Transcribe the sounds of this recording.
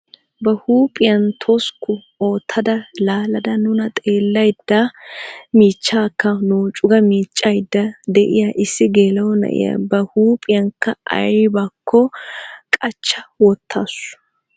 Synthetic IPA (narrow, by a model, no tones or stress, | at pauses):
bɐhuːpʼɪjɐnt̪ʰoskːʊ | oːt̪ʰːɐd̪ɐlaːlɐd̪ɐnʊnɐt̪ʼe̞ːlːɐjd̪ːɐ | miːt͡ʃːaːkːɐnoːt͡ʃʼʊɡɐmiːt͡ʃʼːɐjd̪ːɐd̪ɛʔɪ̰jɐʔɪsːɪɡe̞ːlɐwɔnɐ̰ʔɪ̰jɐ̰bɐhuːpʼɪjɐŋkːɐʔɐ̰jbɐkʰːɔkʼɐt͡ʃːɐwɔt̪ʰːaːsʊ̥